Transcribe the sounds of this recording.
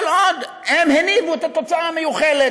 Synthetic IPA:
lod̪ | hemhenivuet̪at̪o̞t͡saamejuχele

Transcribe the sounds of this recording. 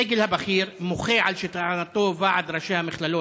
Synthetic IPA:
eɡelhabaχiɾmoχeʕalʃit̪anat̪ovaʕad̪ɾaʃehamɪχlalo

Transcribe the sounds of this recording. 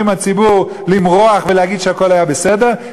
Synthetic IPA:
imat͡sibuʁ | limʁo̞aχveleaɡid̪ʃeako̞lhajabese̞deʁ

